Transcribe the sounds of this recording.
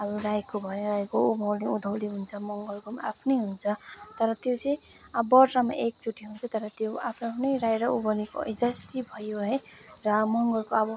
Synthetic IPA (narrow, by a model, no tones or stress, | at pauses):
ʌbuɾajkobʱʌnẽɾajkoubʱʌwleud̪ʱʌwleɦunt͡sʰʌmʌŋɡʌlkomaapʰnʌjɦunt͡sʰʌt̪ʌɾʌt̪jot͡sʌĩ | bʌrrʌma̰ʔek̚t͡suʈʰːiɦunt͡sʰʌt̪ʌɾʌt̪joapʰnapʰnʌjrajɾʌubʌlikoʌ̰jd͡zʌst̪ibʱʌjoɦʌj | ɾʌmʌŋɡʌlkoʌbʌ